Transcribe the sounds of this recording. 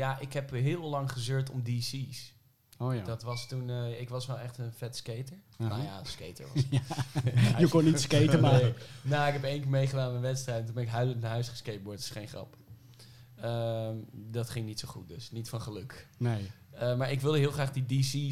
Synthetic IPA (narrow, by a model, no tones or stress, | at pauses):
jaʔɪkɦɛpɦɪːlˠlɑŋχəzøːtɔmdisis | ojdɑtʋɑstunɪkʋɑsʋɛlˠɛχtənfɛtskejtəɹ | ma̰ja̰skḛjtə̰˞ʋɑ̰s | jəkoniskejəmaenoɪkɦɛpejŋkɪːɹmejχədaːnnənʋɛtstrɛjtɛnt̬unbɛnɪkɦœɥdlənəɦœɥsχə̥skejt̚bɔɹtɪ̥sχejnχrɑ̰p | əmdɑtχɪŋnitsowχut̚døsnitfɑnχəlɵkne | əmaːɹɪkʋɪlˠdəɦɪːlˠχraːχdidisi